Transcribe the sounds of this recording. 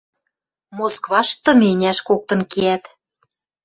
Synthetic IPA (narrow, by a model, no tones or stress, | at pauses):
moskβɑʃt̪ɤ̆menʲæʃkok̚t̪ɤ̆nkeæt̪